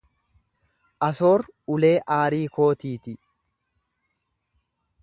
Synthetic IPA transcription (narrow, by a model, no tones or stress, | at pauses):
ʔɐso̞ːɾʊle̞ːʔaːɾiːko̞ːt̪iːt̪ɪ